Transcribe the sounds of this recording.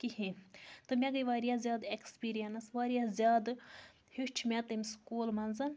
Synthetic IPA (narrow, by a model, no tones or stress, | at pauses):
kihĩnt̪ɨmʲeɡɐjʋaːɾijazʲjaːd̪ekspiːɾijɐnɐsʋaːɾijazʲjaːd̪ | hiʃt͡ʃʰmʲɛt̪ɨmʲskuːlmɐnzɐn